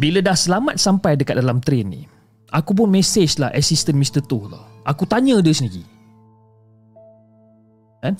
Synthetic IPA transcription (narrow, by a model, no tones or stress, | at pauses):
bilədahsəlamat̪̚sampajdəkat̪̚dalamt̪ɾɛnːḭ | ʔakup̬ʊnmɛsed͡ʒla̰hʔɛ̰sist̪ənmĩst̪ət̪ʊhla̰hʔakut̪aɲə̃dəsəniɡḭ | an